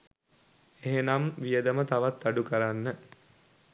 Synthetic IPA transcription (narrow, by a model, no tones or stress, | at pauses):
eɦenamʋijəd̪əmət̪aʋat̪ːaɖukəɾanːə